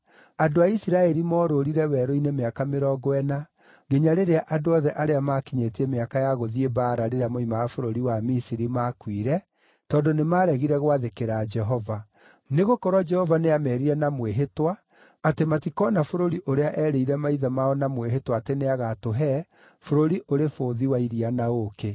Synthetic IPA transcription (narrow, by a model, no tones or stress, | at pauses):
adoaisiɾaɛɾimɔːɾoɾiɾɛwɛɾoinemeakameɾɔːɡoɛna | ɡeɲaɾeɾeaʔadoɔðɛʔaɾeamakiɲetiɛmeakajaɣoðiebaːɾaɾeɾeamoimaafoɾoɾiwamisiɾimakwiɾɛ | tɔːndonemaːɾɛɣiɾɛɣwaðekeɾad͡ʒɛɦɔva | neɣokɔɾwad͡ʒɛhɔvaneamɛːɾiɾɛnamweɦetwaː | tematikɔːnafoɾoɾiʔoɾeaʔɛːɾeiɾɛmaiðamaɔnamweɦetwaːteneaɣatoɦɛ | foɾoɾiʔoɾefoːðiwaiɾianaoke